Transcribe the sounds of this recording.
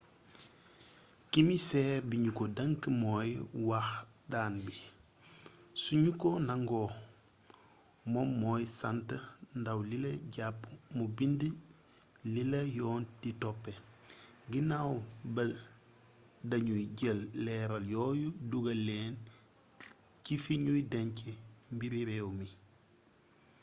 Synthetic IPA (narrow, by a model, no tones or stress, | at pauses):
kimisɛbiɲukodɐŋkmɔːjwax | daːnbi | suɲukɔnaŋɡɔ | mɔmːɔːjsantəndawlilɐɟapːmubində | lilejɔːntitopːe | ŋɡinawbɐl | dɐɲujɟelːɛːɾaljoːjuduɡɐleːn | cifiɲujdeɲcimbiɾiɾewmi